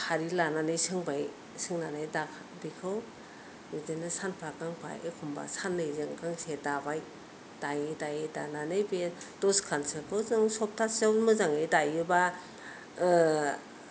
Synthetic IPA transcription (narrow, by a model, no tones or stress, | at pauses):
hʰaɾilananɯjsɯŋbaj | sɯŋnanajda | bikʰɯw | midenɯsanpʰakaŋpʰa̰ḛkʰumba̰sanːɯjzɯŋkaŋsedabaj | d̥ajɯdajejdananɯjbetɔskʰansɯkʰɯwzɯŋsɔp̚tʰasawmɯzaŋejdajɯba